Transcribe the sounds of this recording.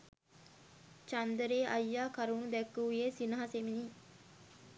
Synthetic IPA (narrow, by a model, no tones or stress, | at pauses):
t͡ʃand̪əɾeːʔajːaːkaɾunud̪ɛkːuʋjesinəɦasemini